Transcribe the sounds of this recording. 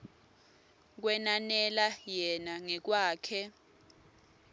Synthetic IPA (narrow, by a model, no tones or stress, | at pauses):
k̬wɛnanɛlajɛnaŋɛk̬waːkʰɛ